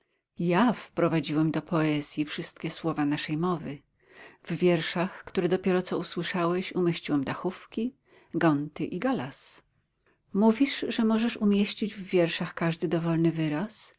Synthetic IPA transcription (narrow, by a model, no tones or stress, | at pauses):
jafpɾɔvad͡ʑiwɛmd̪ɔpʰɔɛzʲjifʂɘst̪̚kʲɛswɔvanaʂɛjmɔvɘ | vvʲjɛɾʂaxkt̪uɾɛd̪ɔpʲjɛɾɔt̪sɔuswɘʂawɛɕumʲjeɕt͡ɕiwɛmd̪axufkʲi | ɡɔnt̪ɘʔiɡalas | muvʲiʂʐɛmɔʐɛʂumʲjeɕt͡ɕid͡ʑvːʲjɛɾʂaxkaʐd̪ɘd̪ɔvɔlnɘvɘɾas